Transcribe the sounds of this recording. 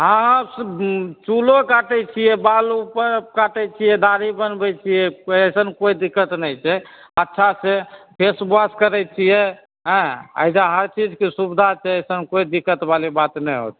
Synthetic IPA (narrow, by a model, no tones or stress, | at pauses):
ɦãst͡ʃulokaʈɛt͡ʃʰijɛbalupəɾkaʈɛt͡ʃʰijɛd̪aɾibənbɛt͡ʃʰijɛəsənkojd̪ikːət̪nɛjt͡ʃʰɛ | ətːʃʰasepʰesbaskəɾɛt͡ʃʰijɛ | ɦɛ̃ə̰jd͡ʒaɦəɾt͡ʃid͡ʒkesubd̪ʱat͡ʃʰɛəsənkoid̪ikːət̪balibat̪nɛjɦo̰t̪